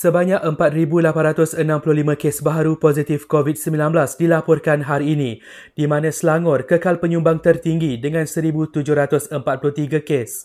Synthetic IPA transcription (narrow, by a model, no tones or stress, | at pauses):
səbaɲãkəmpat̪̚ɾibulapanɾat̪ʊsənãmpulʊhlimãkesbaɦaɾupozit̪ɪfkovit̪̚səmbilãnbəlasdilapɔrkanɦaɾiːnĩ | dimãnãslaŋʊrkəkalpəɲũmbaŋt̪ərt̪iŋɡidəŋãnsəɾibut̪ud͡ʒʊhɾat̪ʊsəmpat̪̚plʊht̪iɡakes